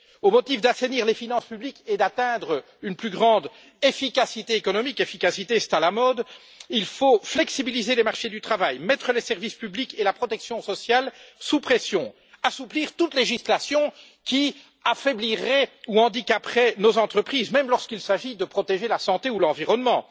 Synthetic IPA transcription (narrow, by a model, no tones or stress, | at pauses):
omɔt̪ifd̪aseniːʁlefinɑ̃spybliked̪at̪ɛ̃d̪ʁə | ynplyɡʁɑ̃d̪ | efikasit̪eekɔnɔmikefikasit̪esɛ̥t̪alamɔd̪ | ilfoflɛksibilizelɛmaʁʃed̪yt̪χavajmɛt̪χəlɛsɛʁvispyblikelapχɔt̪ɛksjɔ̃sɔsjalsupχesjɔ̃ | asupliːʁt̪ut̪leʒislasjɔ̃ | kʲi | afɛbliʁɛuɑ̃d̪ikapχɛnozɑ̃t̪χəpχiːzmɛmlɔʁskilsaʒid̪əpχɔt̪eʒelasɑ̃t̪eulɑ̃viʁɔnmɑ̃